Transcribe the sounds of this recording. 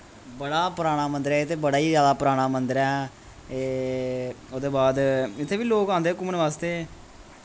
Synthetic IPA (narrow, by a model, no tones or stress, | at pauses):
bəɽaːpəɾaːɽ̃aːmənd̪əɾɛːɪt̪ʰeːbəɽaːiːzjaːd̪aːpəɾaːɽ̃aːmənd̪əɾɛː | eː | oːd̪eːbaːd̪ɪt̪ʰːeːʋiːloːkãːnd̪eːkʊmənʋaːst̪eː